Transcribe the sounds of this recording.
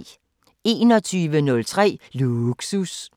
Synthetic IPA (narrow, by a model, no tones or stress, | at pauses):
e̝̰ːnɒ̽t͡sʰyːʋənɔ̽lt͡sʰʁɛ̰ːluɡ̥sus